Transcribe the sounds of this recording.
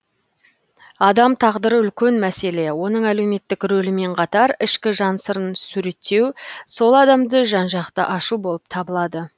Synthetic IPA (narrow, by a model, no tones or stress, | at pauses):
ɑd̪ɑmt̪ʰɑʁd̪əɾəʏlkʲenmæse̞le̞wo̞nəɴæle̞wme̞t̪ːɪkɾɵlɪme̞ɴqʰɑt̪ɑɾɪʃkʲɪʒɑnsəɾənsʉɾe̞t̪ːe̞wso̞lˠɑd̪ɑmd̪əʒɑnʒɑqt̪əʔɑʃubo̞lˠəp̚t̪ʰɑbəlˠɑd̪ə